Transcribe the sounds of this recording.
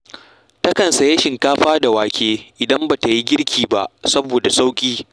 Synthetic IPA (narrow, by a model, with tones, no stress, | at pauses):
tɐ˦kɐ˨nsɐ˨je˦ʃɪ˨ŋkaː˦ɸaː˦da˨waː˨kʲʰeː˦ʔɪ˨dɐ˦mba˨ta˨ji˦ɡʲɪ˦ɽkʲʰiː˨ba˦ʔsɐ˦boː˨da˨sa˦wkʲʼiː˦